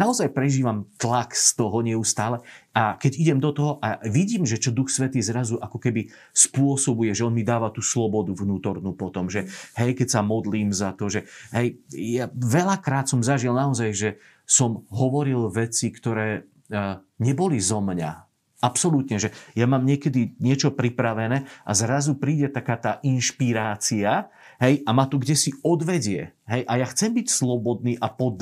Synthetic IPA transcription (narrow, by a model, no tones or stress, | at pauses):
naɔzajpɾɛʒiːʋamt̪lakst̪ɔɦɔɲɪɛust̪aːlɛakɛɟiɟɛmd̪ɔt̪ɔɦɔʔaʋiɟiːmʒɛt͡ʃɔd̪uxsʋɛt̪iːzɾazuʔakɔkɛbi | spʊɔsɔbujɛʒɛɔnmid̪aːʋat̪uːslɔbɔd̪uʋnuːt̪ɔɾnuːpɔt̪ɔmʒɛhɛjkɛcsamɔd̪liːmzat̪ɔʒɛɦɛjjaʋɛlakɾaːt̪sɔmzaʒilnaɔzajʒɛ | sɔmɦɔʋɔɾilʋɛt͡sikt̪ɔɾɛː | ɲɛbɔlizɔmɲa̰ | apsɔlut̪ɲɛʒɛjamaːmɲɪɛkɛd̪iɲɪɛt͡ʃɔpɾipɾaʋɛnɛːʔa̰zɾazupɾiːɟɛt̪akaːt̪aːʔinʃpiɾaːt͡sia | ɦɛjʔamaːt̪ɔɡɟɛsiɔd̪ʋɛɟɪɛɦɛjʔajaxt͡sɛmbicslɔbɔd̪niːʔapɔd̪